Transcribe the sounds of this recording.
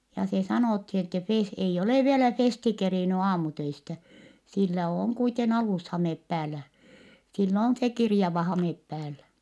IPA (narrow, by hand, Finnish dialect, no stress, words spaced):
jɑ se sɑnoˑthi etːɛ fes ei oleˑ ʋielæ festi keriˑny ɑːmutøistæ silːæ oːŋ kuiten ɑlushɑmep pæːlːæ silː on se kirjɑʋɑ hɑmep pæːlːæ